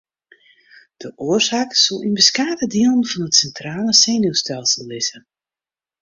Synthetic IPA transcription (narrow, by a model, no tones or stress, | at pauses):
d̥əʔoərsaːksolˠinbəskaːdədiəlˠənvɔnətsɛntraːləseːnustɛlˠsəlˠːɪzə